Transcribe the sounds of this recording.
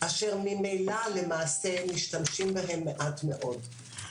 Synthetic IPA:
ʔaʃeʁmimejlale̞maːsemiʃtamʃimbaɦe̞mːeʔatme̞ʔo̞d

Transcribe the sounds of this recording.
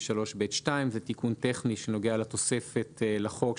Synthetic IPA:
ʃalo̞ʃbejt̪ʃtaimzet̪ikunt̪eχniʃeno̞ɡealat̪o̞se̞fe̞telaχo̞k

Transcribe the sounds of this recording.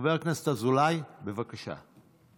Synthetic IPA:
veʁknast̪azulajbevakaʃa̰

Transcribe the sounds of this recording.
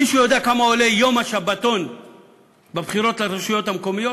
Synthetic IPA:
iʃujodeakamaole̞jo̞maʃabato̞n | bebχiɾo̞tlaɾeʃujo̞thamko̞mijot

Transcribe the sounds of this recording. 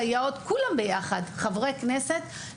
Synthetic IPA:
ajaot̪kulambejaχad̪χavʁekneset̪

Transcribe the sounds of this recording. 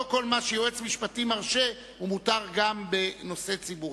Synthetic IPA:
ko̞lmaʃejoet͡smiʃpatimaʁʃe̞ | umutaʁɡambe̞no̞se̞t͡sibuʁ

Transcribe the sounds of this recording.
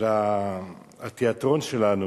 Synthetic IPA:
la | at̪eat̪ʁo̞nʃelanu

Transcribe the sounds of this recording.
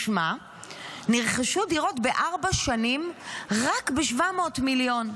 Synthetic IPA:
ʃma | niʁχaʃudiʁo̞tbeʔaʁbaʃanimʁakbeʃvamo̞ːtmiljo̞n

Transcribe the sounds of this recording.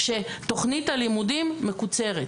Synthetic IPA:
ʃeto̞χnithalimudimːekut͡se̞ʁe

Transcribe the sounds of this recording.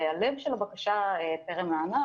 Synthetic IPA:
alevʃelabakaʃaeteʁemlaana

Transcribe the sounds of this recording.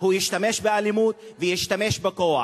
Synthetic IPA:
hujiʃt̪ameʃbealimut̪vejiʃt̪ame̞ʃbekoa̰

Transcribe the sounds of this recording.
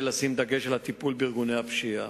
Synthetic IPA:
lasimd̪aɡeʃelhat̪ipulbiʁɡuneapʃia

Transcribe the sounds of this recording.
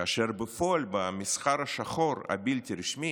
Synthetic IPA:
aʃeɾbəfoalbamisχaɾaʃaχoɾa̰bilt̪iɾiʃmi

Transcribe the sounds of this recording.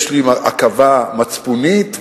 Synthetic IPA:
ʃlimaa̰kavamat͡spunit̪

